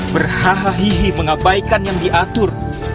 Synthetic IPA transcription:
bərhaɦaɦiɦiməŋabaikanjaŋdiʔat̪ʊr

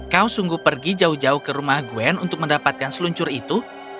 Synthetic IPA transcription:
kausuŋɡuhpərɡid͡ʒaʊhd͡ʒaʊhkəɾumahɡuɛnṵnt̪ʊk̚məndapat̪̚kansəluɲt͡ʃʊɾit̪u

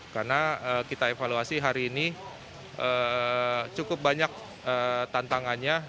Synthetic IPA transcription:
karnaəkit̪aefaluasiɦaɾiːni | ʔə | t͡ʃukʊp̚baɲak̚ | ət̪ant̪aŋanɲa

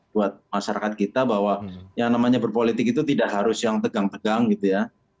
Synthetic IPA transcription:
buat̪̚maʃaɾakat̪̚kit̪abaɦwajaŋnamaɲabərpolit̪ɪk̚it̪ut̪idaʔɦaɾʊsjaŋt̪əɡaŋt̪əɡaŋɡit̪uja

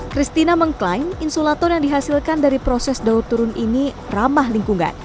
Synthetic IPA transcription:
kɾist̪inaməŋklajninsolat̪ɔrjaŋdiɦasilkandaɾipɾosɛsdaurt̪uɾʊnʔini | ramahliŋkuŋa̰n

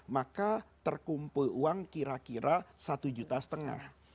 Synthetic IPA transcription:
makat̪ərkumpuluaŋkiɾakiɾasat̪ud͡ʒut̪asə̥t̪əŋa̰h

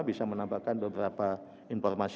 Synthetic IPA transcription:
bisamənambakanbəbəɾapa | infɔrmas

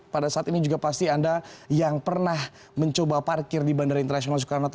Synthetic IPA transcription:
padasaːt̪inid͡ʒuɡapast̪iandajaŋpərnah | məɲt͡ʃobaparkɪrdibandaɾaint̪ərnasionalsu̥kaɾanat̪

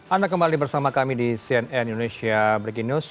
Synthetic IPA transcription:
andakəmbalibərsamakamidisiɛnɛnindonesiabɾiɡinus

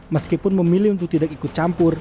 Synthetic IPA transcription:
məskipʊnməmilɪt̪ut̪idak̚ikʊt̪̚t͡ʃampʊr

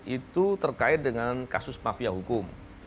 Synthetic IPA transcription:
ʔit̪ut̪ərkaɪt̪̚dəŋankasʊsmafiaɦukʊm

